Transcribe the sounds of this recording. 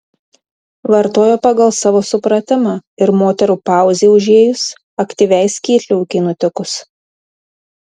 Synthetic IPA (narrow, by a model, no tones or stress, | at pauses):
ʋɐɾt̪oːjoːpɐɡɐlˠsɑʋoːsʊpɾɐt̪ʲɪmɑɪɾmoːt̪ʲɛɾuːpɑˑʊzʲeːʊʒʲeːjʊs | ɐkt̪ʲiʋʲɛɪsʲkʲiːt̪ʲlʲʊʊkʲɪnʊt̪ʲɪkʊs